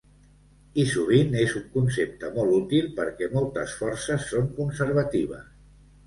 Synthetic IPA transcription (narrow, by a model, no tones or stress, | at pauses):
isuβ̞inezuŋkunsep̚t̪əmɔlˠut̪ilˠpəɾkɛmɔlˠt̪ə̰sfɔɾsəsːoŋkunsəɾβ̞ət̪iβ̞ə̰s